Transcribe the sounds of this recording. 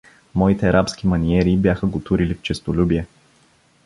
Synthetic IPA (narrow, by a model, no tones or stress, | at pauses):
mɔit̪ɛɐɾʔapskʲimɐnʲiɛɾibjaxəɡot̪uɾilift͡ʃɛst̪olʲubiɛ